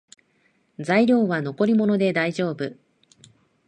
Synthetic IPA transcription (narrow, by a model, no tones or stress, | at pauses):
zaiɾʲo̞ːβano̞ko̞ɾʲimo̞no̞d̪e̞d̪aiʑo̞ːbɯ